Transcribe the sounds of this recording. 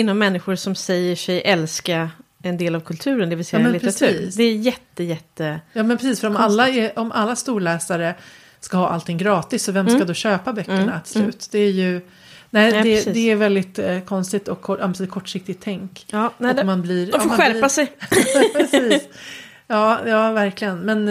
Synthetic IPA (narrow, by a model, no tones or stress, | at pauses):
ɪnːɔmːɛnːɪɧʊɾsɔmsɛjːəʂɛjʔɛlska | ɛnd̪eːlavkʰɵlt̪ʰʉ̟ːɾənd̪ɛvɪlsɛmɛnɪtpʰɾɾat̪ʰʉiːd̪ɛːjɛt̪ːəjɛt̪ːəjɑːmɛnpʰɾɛsiːsfœɾɔmalːaɛʔɔmʔa̰lːast̪uːɭɛːsaɾə | skahɑːʔa̰lt̪ʰɪŋːɡɾɑːt̪ɪsːɔvɛmskad̪ɔɕøːpabœkːɳat̪slʉ̟ːt̪d̪̥ɛæɾjɵ | nɛɪd̪ɛd̪ɛæɾvɛld̪ɪt̪kʰɔnst̪ɪt̪ɔkʰːɔʔampsiːkʰɔʈːʂɪk̚t̪ɪɡt̪ʰːɛŋkːɔmanbliːɾɔfmːaɧæɾpasɛj | ɛsiːs | jɑːjɑːvæɾklɪɡənmɛn